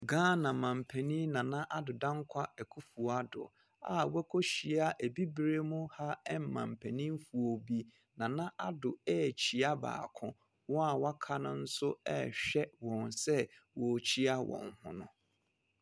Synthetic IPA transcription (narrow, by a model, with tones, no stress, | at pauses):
ɡãː˦nã˨mã˨m̩˨pʰɛ˨nĩ˦nã˨nã˦ʔa˦dʊ˨dã˦ŋ˦kʰa˦ɛ˨kʰu˦fu˨a˦dʊ̰˨ | a̰˨wɛ˦kʰo˦ɕi˨a˦ʔæ˨bi˦bɾe˦mʊ̃˦ha˦ɛ˦m̩˨mã̰˨m̩˨pʰɛ˨nĩ˦m˦fu˨o˨bi˦ | nã˨nã˦ʔa˦dʊ˨ɛ˦˨t͡ɕʰi˨a˦ba̰ː˨kʰʊ̃˦ | wɔ̃˦a˨wa˦kʰa˦nʊ̃˦n̩˦sʊ˦ɛ̰˦ɕᶣɛ˦wɔ̃˨nsɛ˦wɔ˨t͡ɕʰi˦a˦wʔɔ̰̃˨nhʊ̰̃˨nʊ̰̃˨